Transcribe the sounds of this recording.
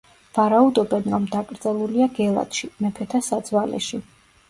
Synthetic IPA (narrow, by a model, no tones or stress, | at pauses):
vaɾaud̪ɔbɛnɾɔmd̪akʼɾd̪zɛlˠuliaɡɛlˠa̰t̪ʃimɛpʰɛt̪ʰasad̪zwalɛ̰ʃi